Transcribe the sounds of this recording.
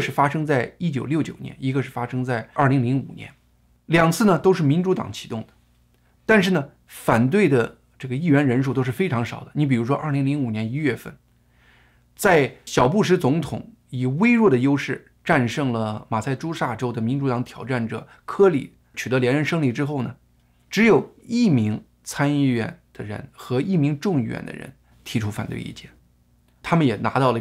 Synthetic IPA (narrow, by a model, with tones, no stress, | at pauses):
ʂɻ̩˥˩fa˥ʂɤ˥ŋt͡sa˥˩ɪi˥t͡ɕjo˨˩ʊljo˥˩ʊt͡ɕjo˨˩ʊjɛ̰˧˥ni˧˥ɡə˧ʂɻ̩˥˩fa˥ʂɤ˥ŋt͡sa˥˩ɪə˞˥˩li˧˥ŋli˧˥ŋṵ˨˩njɛ̰˧˥n | ljɑ˨˩ŋt͡sʰɹ̩˥˩nə˩t̪o˥ʊʂɻ̩˥˩mi˧˥nʈ͡ʂu˧˥t̪ɑ̰˨˩ŋt͡ɕʰi̥˧˥t̪ʊ˥˩ŋd̪ə̥˩ | t̪a˥˧nʂɻ̩˥˩nə˩ | fa˨˩nt̪we˥˩ɪd̪ə˩ | ʈ͡ʂɤ˥˩ɡə˩i˥˩ɥɛ˧˥nɻə˧˥nʂ̬u˥˩t̪o˥ʊʂɻ̩˥˩fe˥ɪʈ͡ʂʰɑ˧˥ŋʂɑ˨˩ʊd̪ə̥˦ni˧˥p̬i˨˩ɻu˧˥ʂwɔ˥ʔɐ˞˥˩li˧˥ŋli˧˥ŋu˨˩njɛ˧˥ni˥ɥɛ˥˧fə̰˥˩n | t͡sa˥˩ɪɕjɑ˨˩ʊpu˥˩ʂ̬ɻ̩˧˥t͡sʊ˧˥ŋt̪ʰʊ̰˨˩˦ŋ | i˨˩we˥ɪɻwɔ˥˩d̪ə˩jo˥ʊʂɻ̩˥˩ | ʈ͡ʂa˥˧nʂɤ˥˩ŋlə˩ma˨˩sʰa˥˩ɪʈ͡ʂu˥ʂa˥˩ʈ͡ʂo˥ʊd̪ə˨mi˧˥nʈ͡ʂu˧˥t̪ɑ˧˥ŋt̪ʰjɑ˨˩ʊʈ͡ʂa˥˩nʈ͡ʂɤ̰˨˩ | kʰɤ˥li˨˩ | t͡ɕʰy˨˩ɤ˧˥ljɛ˧˥nɻə˧˥nʂɤ˥ŋli˨˩ʈ͡ʂɻ̩˥xo˥˩ʊnə˩ | ʈ͡ʂɻ̩˧˥jo˨˩ʊi˥˩mi˧˥ŋ | t͡sʰa˥nyy˥˧ɥɛ̰˥˩nd̪̥ə˨ɻə̰˧˥nxɤ˧˥i˥˩mi˧˥ŋʈ͡ʂʊ˥˧ŋi˥˩ɥɛ̰˥˩nd̪ə̰˩ɻə̰˧˥n | t̪ʰi˧˥ʈ͡ʂʰu˥fa˨˩nt̪wḛ˥˧ɪḭ˥˧˩t͡ɕjɛ˥˩n | t̪ʰa˥mə˨njɛ˨˩na̰˧˥t̪ɑ˥˩ʊlə˩